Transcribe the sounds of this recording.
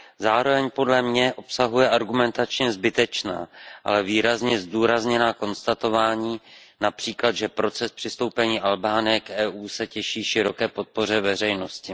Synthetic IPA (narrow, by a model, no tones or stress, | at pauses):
zaːɾo̞vɛɲpo̞dlɛmɲɛʔo̞psaɦujɛʔaɾɡumɛnt̪at͡ʃɲɛzbɪt̪ɛt͡ʃna̰ːʔa̰lɛviːɾazɲɛzd̪uːɾazɲɛnaːko̞nst̪at̪o̞vaːɲiː | napr̥iːklad̪ʒɛpɾo̞t͡sɛspr̥ɪst̪o̞wpɛɲiːʔalbaːnɪjɛkʔɛːʔuːsɛcɛʃiːʃɪɾo̞kɛːpo̞t̪̚po̞r̝ɛvɛrɛjno̞scɪ